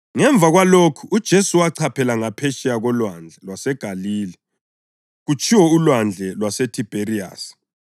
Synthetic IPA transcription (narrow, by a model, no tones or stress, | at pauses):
ŋɛɱb̪vʱaɣwalokʰuud̥ʒ̥ʱesuwaǀʰapʰɛlaŋapʰɛʃɛaɣɔlwand͡ɮʱɛlwasɛɡ̥ʱaliːlɛ | ɣut͡ʃʰʼiwɔulwand͡ɮʱɛlwasɛtʰib̥ʱeria̰ːsi̥